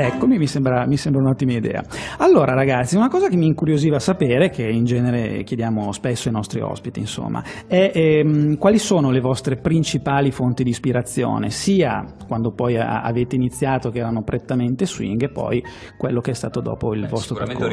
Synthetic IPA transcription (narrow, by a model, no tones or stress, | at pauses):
ɛkːomimisembɾamisembɾaunɔt̪ːimaid̪ɛ̰ːa̰alːoːɾaɾaɡat̪sːiunakɔːzakemːiːŋkuɾjoziːvaːsapeːɾek̟ʰeind͡ʒɛːneɾḛkjed̪jaːmospesːoinɔst̪ɾḭɔ̰spit̪iinso̰mːa̰ɛmkwaːlisoːnolevɔst̪ɾepɾint͡ʃipaːlifont̪id̪iːspiɾat̪sːjo̰ːnḛsiːa | kwand̪opɔj̰a̰veːt̪einit̪sːjaːt̪okeɛːɾanopɾʔet̪ːament̪eswḭŋɡepːɔ̰j | kwelːokeɛst̪aːt̪od̪ɔ̰ːpoilvɔst̪ɾoperko̰